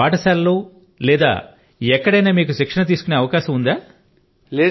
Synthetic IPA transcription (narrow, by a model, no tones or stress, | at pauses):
aːʈɐsaːlluː | lɛːd̪a̰ː | ɛkːɐɽɐjnaːmiːkuʃikʂɐnɐt̪̬iːsu̥kuneːɐʋɐkaːʃɐmund̪aː